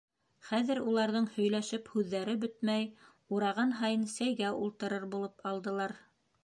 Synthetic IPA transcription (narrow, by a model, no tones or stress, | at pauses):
χæðɘɾulˠɑɾðɤɴhɵ̆jlæʃɘphʉðːæɾɘbɵt̪mæj | uɾɑʁɑnɦɑjɤnsæjɡæulˠt̪ɤ̆ɾɤɾbulˠɤpɑlˠd̪ɤ̆lˠɑɾ